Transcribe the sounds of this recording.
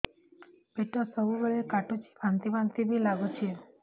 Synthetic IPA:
beʈosəbubəɭekaʈut͡ʃi̥bʱãnt̪ibant̪ibʱilaɡut͡ʃʰie

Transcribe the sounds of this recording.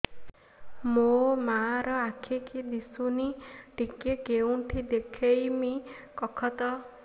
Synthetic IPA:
momaɾɔakʰikid̪isuniʈikekewnʈʰid̪ekʰejmikɔkʰɔt̪ɔ

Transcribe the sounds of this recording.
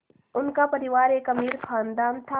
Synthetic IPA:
ʊnkapɐɾɪʋaːɾeːkɐmiːɾkʰãːnd̪aːnt̪ʰa

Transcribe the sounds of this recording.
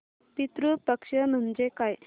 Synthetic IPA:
pit̪ɾupəkʂəm̤əɳd͡zekaj

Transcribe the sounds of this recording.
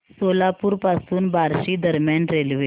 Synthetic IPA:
solapuːɾpasuːnbaɾɕiːd̪əɾmjanɾelʋe

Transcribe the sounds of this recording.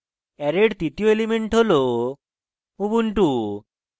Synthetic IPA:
ɛɾeɽt̪it̪ioelimeɳʈɦolo | ubuɳʈu

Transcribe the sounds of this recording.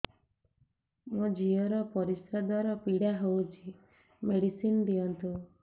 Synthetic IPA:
mod͡ʒiɔɾɔpɔɾisɔd̪ʱɔɾɔpiɽaɦowt͡ʃʰi | meɽisind̪iɔnt̪u

